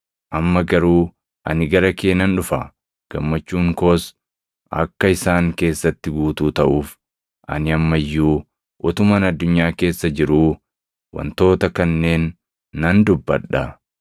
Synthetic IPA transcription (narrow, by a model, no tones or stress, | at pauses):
ʔɐmːɐɡɐɾuː | ʔɐ̰nɪɡɐɾɐkeːnɐnᶑʊfɐ | ɡ̥ɐmːɐt͡ʃːuːŋko̞ːs | ʔɐ̰kːɐɪsaːŋke̞ːsːɐt̪ːɪɡuːt̪uːt̪ɐʔuːf | ʔɐ̰nɪɐmːɐjːuː | ʔɔt̪ʊmɐnɐd̪ːʊɲːaːke̞ːsːɐd͡ʒɪɾuː | wɐ̰nt̪o̞ːt̪ɐkɐnːe̞ːnː | ɐnd̪ʊbːɐ̰ᶑɐ